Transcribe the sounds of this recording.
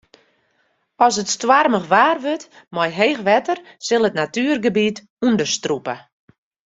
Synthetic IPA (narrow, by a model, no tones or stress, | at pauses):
ɔs̬ətstwarməxʋaːrʋøt | mɔjɦeːxʋɛtər | sɪlˠətnatyːrɡəbit | undəstrupə̰